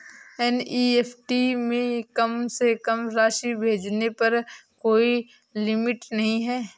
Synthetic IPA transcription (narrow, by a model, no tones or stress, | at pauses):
ɛniːeːpʰʈimẽkɐmsekɐmɾaːʃibʱeːd͡ʒnepɐɾkoːi | lɪmɪʈnɐɦĩɦɛː